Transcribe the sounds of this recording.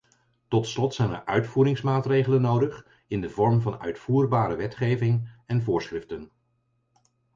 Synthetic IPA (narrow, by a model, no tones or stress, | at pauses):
tɔtslɔtsɛjnə̰ɹʔœɥtfuːɾɪŋsmaːtrejχələnowdəχ | ɪndəvɔɹmvɑnœ̰ɥtfuːrbaːɾəʋɛtχejvɪŋɛnvʊːɹsχrɪftən